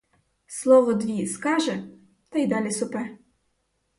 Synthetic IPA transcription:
slˠɔʋɔd̪ʋʲiskɑʒɛ | t̪ɐjd̪ɑlʲisʊpɛ

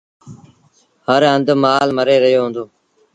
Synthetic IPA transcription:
həɾənd̪maːlməɾeːɾəɦijoːɦʊ̃ːnd̪oː

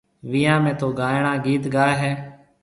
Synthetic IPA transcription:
ʋɪjãːmɛ̃ːt̪oːɡaːjɽ̃ãːɡiːt̪ɡaːeɦɛː

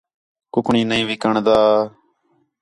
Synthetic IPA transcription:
kʊkɳĩːnəĩːʋiːkəɳd̪aː

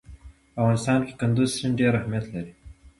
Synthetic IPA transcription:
afɣɑːnɪst̪ɑːnke̥kʊnd̪uzsinɖeːɾahmijɐt̪lɐɾi

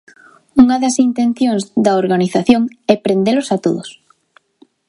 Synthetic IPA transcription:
uŋɐðɐsint̪enθjoŋzd̪ɐoɾɣaniθaθjoŋɛpɾend̪elʊsat̪oðos

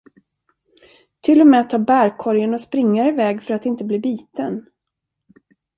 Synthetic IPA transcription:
t̪ʰɪlːɔmɛat̪ʰːɑːbæɾkʰɔɾjənɔspɾɪŋːaɪvɛːɡfœɾat̪ɪnt̪əbliːbiːt̪ən

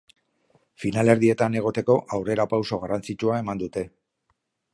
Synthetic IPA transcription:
finale̞ɾðie̞t̪ane̞ɣ̞o̞t̪e̞ko̞ʔawre̞ɾapawso̞ɣ̞arant͡sit͡ʃuae̞mand̪ut̪e̞

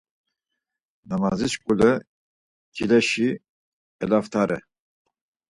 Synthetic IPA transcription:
namazit͡ʃkʼulə | ɡʰilɛʃi | ɛlaft̪ʰaɾʔɛ̰

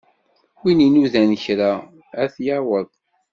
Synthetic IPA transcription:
wininuðænəçɾa | æθjawəðˤ

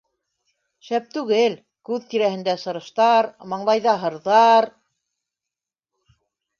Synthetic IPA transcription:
ʃæp̚t̪ʉɣɘl | kʉðt̪iɾæhɘ̆nd̪æsɤ̆ɾɤ̆ʃt̪ɑɾmɑɴlˠɑjðɑɦɤ̆ɾðɑɾ

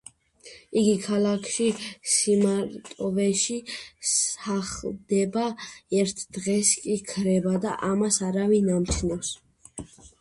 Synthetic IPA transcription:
iɡikʰalakʰʃisimaɾt̪ʼɔvɛʃisaχld̪ɛbaɛɾt̪ʰd̪ʁɛskʼikʰɾɛbad̪aʔamasaɾavinamt͡ʃʰnɔfs

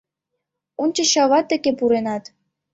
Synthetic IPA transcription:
unt͡ɕɤ̆ɕɑʋɑt̪ʲːĕkʲepuɾenɑt̪

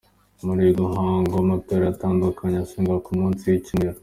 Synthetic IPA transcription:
muɾiɡuɦaːŋɡomateːɾaataːndukʰaɲeasiːŋɡakumũːnsijicineɾo

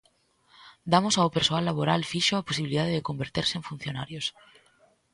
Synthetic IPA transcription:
d̪amosaopeɾsoalːaβoɾalfiʃoaposiβiliðaðeðekõmbeɾt̪eɾseeɱfunθjonaɾjos

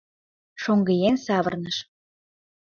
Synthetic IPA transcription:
ʃoŋɡə̆jensɑβərnəʃ

